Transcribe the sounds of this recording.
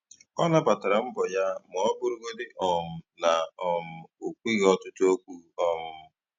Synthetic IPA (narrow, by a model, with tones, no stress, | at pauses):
ɔ˦na˦pa˨ta˨ɾa˨m̩˦bɔ˨ja˦mʊ˨ɔ˦bʊ˦ɾʊ˦ɡo˦dɪ˦ʔɔ˨m̩˦na˨ɔ˨m̩˨o˨kʷi˦ɣɔ˦tʊ˦tʊ˦o˦kʷu˦ɔ˦mʊ˦